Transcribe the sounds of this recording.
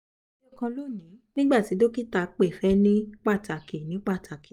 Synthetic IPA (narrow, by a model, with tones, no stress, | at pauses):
jo˦˨kã˧lo˦˨nĩ˨˦nĩ˦ɡ͡ba˦˨ti˨˦do˦ki˦ta˧˨k͡pe˦˨fɛ˦nĩ˦k͡pa˦˨ta˨ki˨nĩ˨˦k͡pa˦˨ta˨ki˨